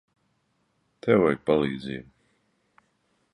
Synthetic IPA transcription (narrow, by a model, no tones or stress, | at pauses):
t̪ʰɛwɛjpalˠiːd̪zḭːm